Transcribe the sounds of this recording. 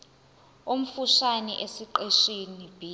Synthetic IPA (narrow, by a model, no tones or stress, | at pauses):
um̩fuʃaniʔesiǃeʃinib̥ʱiː